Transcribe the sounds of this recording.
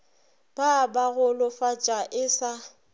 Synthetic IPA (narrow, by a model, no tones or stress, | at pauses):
b̥abaɣʊlʊfat͡ʃʼaʔɪsa